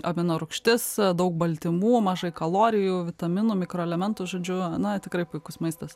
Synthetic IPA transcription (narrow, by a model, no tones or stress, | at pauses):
ɐbʲɪnoːɾʊkʃʲt̪ʲɪsd̪ɐʊk̚bɐlʲt̪ʲɪmuːmɐʒɐɪkɐlˠoːɾʲɪjuːʋʲɪt̪ɐmʲɪnuːmʲɪkɾoːɛlʲɛmʲɛnt̪ʊʒoːd͡ʒʲʊnɐt̪ʲɪkɾɐɪpʊɪkʊsmɐɪst̪ɐs